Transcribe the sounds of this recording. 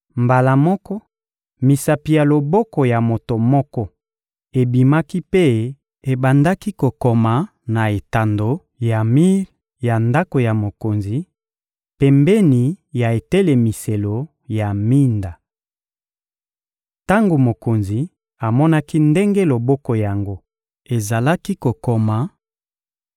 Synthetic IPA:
mba˨la˨mɔ˦kɔ˦ | mi˨sa˨pi˨ja˨lo˨bɔ˦kɔ˨ja˨mo˨to˨mɔ˦kɔ˦ | e˨bi˨ma˦ki˦pe˦ | e˨ba˨nda˦ki˦ko˨ko˨ma˨ | na˨e˨ta˨ndo˨ | ja˨mi˦ʁ | ja˨nda˦ko˨ja˨mo˨ko˨nzi˨ | pɛ˨mbɛ˦ni˨ja˨e˨te˦le˨mi˨se˨lo˨ | ja˨mi˦nda˨ | ta˦ŋɡo˨mo˨ko˨nzi˨ | a˨mɔ˦na˦ki˦nde˦ŋɡe˦lo˨bɔ˦ko˨ja˨ŋɡo˦ | e˨za˨la˦ki˦ko˨ko˨ma˨

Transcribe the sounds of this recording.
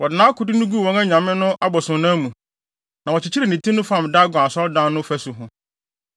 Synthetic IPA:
wɔ˨dɪ˨nãː˨˦kʰʊ˨dʊ˦nʊ̃˦ɡu˦˨ɔ̃˦ŋã˦ɲã˨mɪ̃˦nʊ̃˦ʔa˦bɔ˨sʊ̃˨nã˦mũ˨ | nã˨wɔ˨t͡ɕɪ˨t͡ɕʰi˦ɾi˨nĩ˨tʰĩ˦nʊ̃˦fã˦˨m˨da˦ɡʷã˨sɔ˦dã˦nː˦ʊ̃˦fæ˦sʊ˨ɦʊ̃˨

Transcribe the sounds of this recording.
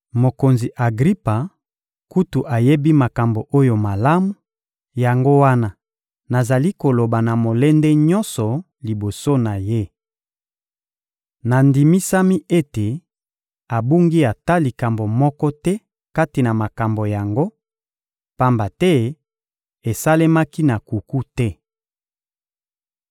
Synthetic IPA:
mo˨ko˨nzi˨ʔa˨ɡʁi˦pa˨ | ku˦tu˨ʔa˨je˦bi˦ma˨ka˨mbo˨ʔo˦jo˨ma˨la˦mu˨ | ja˨ŋɡo˦wa˦na˦ | na˨za˨li˦ko˨lo˨ba˨na˨mo˨lɛ˦ndɛ˦ɲɔ˦nsɔ˨ | li˨bo˨so˦na˨je˦ | na˨ndi˨mi˦sa˦mi˦ʔe˦te˨ | a˨bu˦ŋɡi˦a˨ta˦li˨ka˨mbo˨mɔ˦kɔ˦tɛ˦ | ka˦ti˨na˨ma˨ka˨mbo˨ja˨ŋɡo˦ | pa˦mba˨tɛ˦ | e˨sa˦le˦ma˦ki˦na˨ku˨ku˦tɛ˦

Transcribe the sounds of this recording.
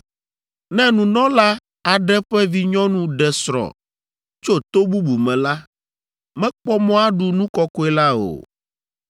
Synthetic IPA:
nɛ̃˦nũ˨nɔ̃˦la˦ | a˨ɖɛ˦ɸɛ˦vi˦ɲɔ̃˦nũ˦ɖɛ˨sɾɔ̰˨ | t͡ʃo˦t̪o˦bu˦bu˨mɛ̃˨la˦ | mɛ̃˦k͡pɔ˦mɔ̃˦a˦ɖu˨nũ˦kɔ˦kɔ˦ɛ˦la˦o̰˨

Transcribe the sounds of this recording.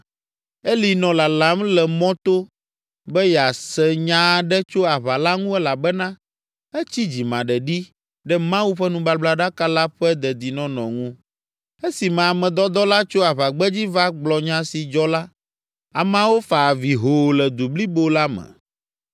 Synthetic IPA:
e˦li˨nɔ̃˨la˨la˨˦mlɛ˨mɔ̃˦t̪o˦ | bɛ˦jɛ˨a˨sɛ˨ɲã˦˨ɖɛ˦t͡ʃo˦a˨βa˨la˦ŋũ˦ɛ˦la˨bɛ˦nã˦ | ɛ˦t͡ɕi˦d͡ʑi˨mã˨ɖɛ˨ɖi˦ | ɖɛ˦mã˦wu˦ɸɛ˦nũ˨ba˦bla˦ɖa˦ka˦la˦ɸɛ˦d̪ɛ˨d̪i˨nɔ̃˦nɔ̰̃˨ŋũ˦ | e˦si˨mã˨a˨mɛ̃˨d̪ɔ˦d̪ɔ˦la˦t͡ʃo˦a˨βa˨ɡ͡bɛ˦d͡ʑi˦va˦ɡ͡blɔ˨ɲã˦si˨d͡ʒɔ˦la˦ | a˨mã˦wo˦fa˨vi˨ɦo˨lɛ˨d̪u˨bli˦bo˦la˦mɛ̰̃˨

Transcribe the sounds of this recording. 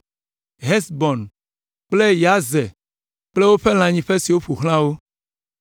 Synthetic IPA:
ɦe˦sbɔ˨n | k͡ple˦ja˨ze˨ | k͡ple˦wo˦ɸe˦l̃ã˨ɲĩ˨ɸe˦si˨wo˦ɸu˨xl̃ã˦wo˦

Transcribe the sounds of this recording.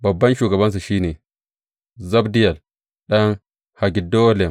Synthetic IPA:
bɐ˨bːɐ˦nʃuː˨ɡɐ˨bɐ˦ns̬a˨ʃiː˦neː˨ | zɐ˦bdi˦ja˨l | ɗɐ˦n | ha˨ɡʲi˨do˦le˨m

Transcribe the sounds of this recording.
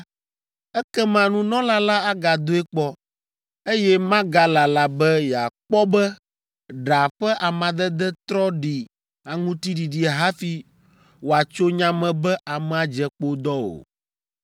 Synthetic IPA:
ɛ˦kɛ˦mã˨nũ˦nɔ̃˦la˦la˦a˦ɡa˨d̪o˦ɛ˦k͡pɔ˦ | e˦jɛ˦mã˦ɡa˦la˨la˨bɛ˦ja˨k͡pɔ˦bɛ˦ | ɖa˨ɸɛ˦ʔa˨mã˨d̪ɛ˦d̪ɛ˦t̪ɾɔ˦ɖi˨ | a˨ŋũ˦t̪i˦ɖi˨ɖi˨ɦa˦fi˦ | wo˨a˨t͡ʃo˦ɲã˦mɛ̃˨bɛ˦ʔa˨mɛ̃˨a˨d͡ʒɛ˨k͡po˦d̪ɔ˦o̰˨

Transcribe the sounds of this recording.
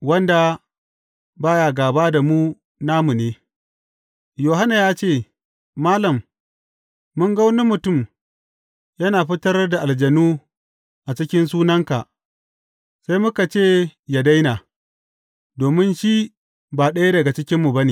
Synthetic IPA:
wɐ˦nda˨ | baː˦jaː˨ɡaː˨baː˦da˨mu˦ | naː˦mu˨neː˦ | joː˨ɦa˦na˨jaː˦t͡ʃeː˦˨ | maː˦lɐ˨m | ʊ˦ŋɡɐ˦wne˦mʊ˨tʊ˦˨m | jɐ˦naː˨ɸɪ˦tɐ˦rda˨ʔa˨ld͡ʒɐ˨nuː˦ | ʔa˨t͡ʃɪ˦kʲɪ˦ns̬uː˦nɐ˦ŋka˨ʔ | sa˦jmʊ˦ka˨t͡ʃeː˦˨ja˨da˦jna˨ | doː˨mɪ˦nʃi˦ | baː˨ɗɐ˦ja˦dɐ˨ɡa˨t͡ʃɪ˦kʲɪ˦mːu˨bɐ˦neː˨

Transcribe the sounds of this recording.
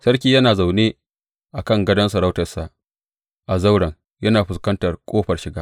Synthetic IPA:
sɐ˦rkʲiː˦jɐ˦naː˨za˨wneː˦ | ʔa˨kɐ˦˨ŋɡɐ˦dɐ˦ns̬ɐ˨ɾa˦wtɐ˨rsa˨ʔ | ʔa˨za˦wɽɐ˨ŋ | jɐ˦naː˨ɸɪ˨skɐ˦ntɐ˨rkʷʼoː˦ɸɐ˨rʃɪ˨ɡaː˦

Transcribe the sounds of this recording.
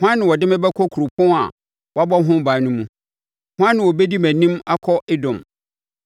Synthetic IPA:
hʊ̃˦ã˦nːɪ̃˨wɔ˨dɪ̃˦mɛ̃˦bɛ˦kʰɔ˦kʰu˨ɾʊ˨pʰʊ̃˦a̰˨ | wɔ˨a˦bɔ˦ɦʊ̃˦baː˨˦nʊ̃˦mũ˦ | hʊ̃˦ã˦nːɪ̃˨wɔ˨be˦di˦mæ̃˨nĩ˦ma˦kʰɔ˦ʔɪ˦dʊ̃˨m

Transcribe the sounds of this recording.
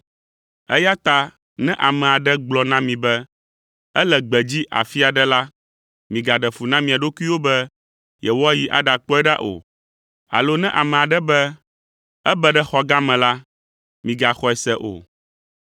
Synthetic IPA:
ɛ̰˦ja˦t̪a˨ | nɛ̃˦ʔa˨mɛ̃˨a˨ɖɛ˦ɡ͡blɔ˨nã˦mĩ˨bɛ˦ | ɛ˦lɛ˨ɡ͡bɛ˨d͡ʑi˦ʔa̰˨fi˦a˨ɖɛ˦la˦ | mĩ˨ɡa˨ɖɛ˨fu˨nã˦mĩ˨a˨ɖo˦ku˦i˦wo˦bɛ˦ | jɛ˨wɔ˦a˦ji˨ʔa̰˨ɖa˨k͡pɔ˦ɛ˦ɖa̰˦ʔo̰˨ | a̰˨lo˦nɛ̃˦ʔa˨mɛ̃˨a˨ɖɛ˦bɛ˦ | ɛ˦bɛ˦ɖɛ˦xɔ˦ɡa˦mɛ̃˨la˦ | mĩ˨ɡa˨xɔ˦ɛ˨sɛ˦ʔo̰˨

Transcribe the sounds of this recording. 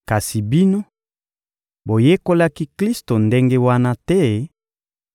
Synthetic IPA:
ka˨si˨bi˦no˦ | bo˨je˦ko˦la˦ki˦kli˦sto˨nde˦ŋɡe˦wa˦na˦tɛ˦

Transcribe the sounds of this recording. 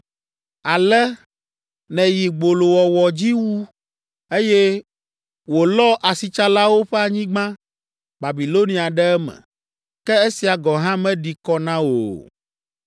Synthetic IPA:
a˨lɛ˦ | nɛ̃˨ji˨ɡ͡bo˨lo˨wɔ˨wɔ˨d͡ʑi˦wu˦ | e˦jɛ˦ | wo˨lɔ˦ʔa˨si˨t͡ʃa˦la˦wo˦ɸɛ˦a˨ɲĩ˦ɡ͡bã˦ | ba˨bi˨lo˦nĩ˦a˨ɖɛ˦ɛ˦mɛ̰˨ | kɛ˦e˦si˨a˨ɡɔ˨ɦã˦mɛ̃˦ɖi˨kɔ˦nã˦wo̰˨

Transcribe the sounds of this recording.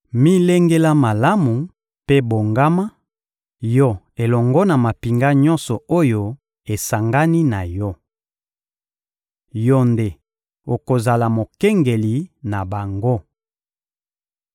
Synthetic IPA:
mi˦le˦ŋɡe˦la˦ma˨la˦mu˨ | pe˦bo˨ŋɡa˦ma˦ | jɔ˦ | e˨lɔ˨ŋɡɔ˦na˨ma˨pi˨ŋɡa˦ɲɔ˦nsɔ˨o˦jo˦ | e˨sa˨ŋɡa˦ni˦na˨jɔ˦ | jɔ˦nde˨ | o˨ko˨za˨la˨mo˨kɛ˦ŋɡe˨li˨na˨ba˨ŋɡo˦

